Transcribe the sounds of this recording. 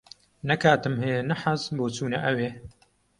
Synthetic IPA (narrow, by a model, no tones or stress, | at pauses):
nɐkʰaːt̪ɨmhɨjenɐħazboːt͡suːnɐʔɐweː